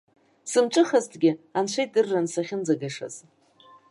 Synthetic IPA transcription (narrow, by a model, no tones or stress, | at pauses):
sɨmt͡ʃʷʼɨχaztʰɡʲɪanʃʷejt̚dɨrːansaχʲɪnd͡zaɡaʂa̰z̥